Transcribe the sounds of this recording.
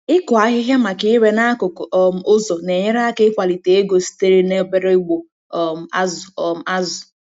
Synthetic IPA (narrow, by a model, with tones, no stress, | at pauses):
ɪ˦kʊ˨a˦ɦɪ˦ɦja˦ma˨kɪ˦ɪ˦ɾe˦na˦a˦kʊ˨kʊ˨˦m̩˨ʊ˦zo˨ne˨ɲe˦ɾa˦a˦kɪ˦kʷa˨li˨te˨e˦ɡo˨si̥˦te˦ɾe˦ne˦be˦ɾe˦ɡ͡bo˨ | m̩˨a˦zm˦a˦zʊ˨